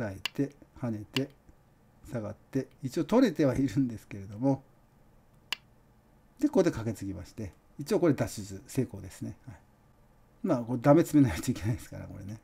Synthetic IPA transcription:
ɾaet̪e̞hane̞t̪e̞ | saɡat̪ːe̞it͡ɕio̞ːt̪o̞ɾe̞t̪e̞βaiɾɯ̟̃nd̪e̞sɨ̥ke̞ɾe̞d̪o̞mo̞ | d̪̥e̞kod̪e̞kake̞t͡sɨɡʲima̰ɕi̥t̪e̞ | it͡ɕio̞ko̞ɾe̞d̪aɕizɨse̞ːko̞ːd̪e̞sɨne̞hai | maːkod̪ame̞t͡sɨme̞najt̪oikʲe̞naid̪esɨ̥ka̰ɾa̰ko̞̰ɾe̞̰ne̞

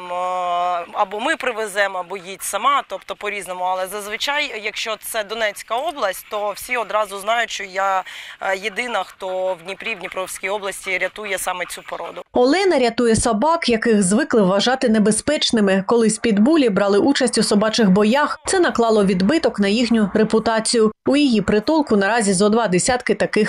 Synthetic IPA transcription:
m | ɐbɔmɪpɾɪʋezɛmɐbɔjitʲsɐmɑt̪ɔpt̪ɔpɔɾʲiznɔmʊɐlˠɛzɐzʋɪt͡ʃajjɐkʃt͡ʃɔt̪sɛd̪ɔnɛt͡sʲkɐɔblˠɐsʲtʲt̪ɔwsʲiɔd̪ɾɑzʊznɑjʊʃt͡ʃɔja | jed̪ɪnɐxt̪ɔwdʲnʲipɾʲiwdʲnʲipɾɔwsʲkʲijɔblˠɐsʲtʲiɾʲɐt̪ujɛsɑmɛt͡sʲupɔɾɔ̰d̪ʊɔlˠɛnɐɾʲɐt̪ujɛsɐbɑkjɐkɪɣzʋɪklˠɪʋːɐʒɑt̪ɪnebespɛt͡ʃnɪmɪkɔlˠɪsʲpʲid̪bulʲibɾɑlˠɪʔut͡ʃɐsʲtʲusɔbɑt͡ʃɪxbɔjaxt̪sɛnɐklˠɑlˠɔʋʲid̪bɪt̪ɔknɐjixnʲʊɾepʊt̪ɑt͡sʲijʊʊjɔjipɾɪt̪ɔlˠkʊnɐɾɑzʲizɔd̪ʋɑd̪esʲat̪kɪt̪ɐkɪx

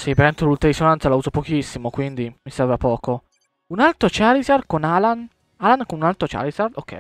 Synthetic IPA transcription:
sipeɾɛnt̪olult̪ɾaɾisonant̪salauzopok̟isːimokwind̪imisɛrvapɔːko | unalt̪ɾot͡ʃalizarkonalan | alankonunalt̪ɾot͡ʃa̰lizard̪okʰːɛ̰j

